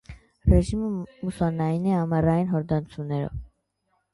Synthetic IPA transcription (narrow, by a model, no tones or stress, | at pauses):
rɛʒiməmusɑlnɑjiniɑmɑrɑjinɦɔɾd̪ɑnt͡sʰunːɛɾɔ̰v